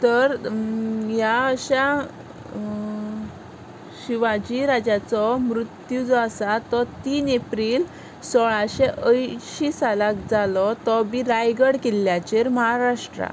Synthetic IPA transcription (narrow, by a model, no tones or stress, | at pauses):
t̪əɾ | jaːɕa | ɕiʋad͡ʑiɾad͡ʑat͡sɔmɾut̪jud͡zɔasat̪ɔt̪iːnepɾiːl | sɔɭaɕeʔəjɕisalakd͡zalɔt̪ɔbiɾajɡəɽkiljat͡ɕeɾməɦaɾaʂʈɾa̰